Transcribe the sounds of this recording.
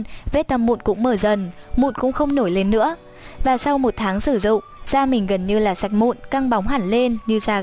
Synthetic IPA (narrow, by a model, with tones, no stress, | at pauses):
ve˦˥t̚t̪ə˨˩mṵ˧˨nkʊ̰˧˥ŋ͡mməː˧˩zə˨˩nmṵ˧˨nkʊ̰˧˥ŋ͡mxə˧wŋ͡mno˧˩jle˧nːɨ̰˧˥ə | vaː˨˩sa˧wmo˨˩t̚t̪ʰaː˨˦ŋsɨ˧˩zʊ̰˧˨ŋ͡mz̥aː˧mï˨˩ŋ̟ɣə˨˩nɲɨ˧laː˨˩sa˨˩jk̟̚mṵ˧˨nka˧ŋɓa˨˦wŋ͡mɦaː˧˩nle˧nɲɨ˧zaː˧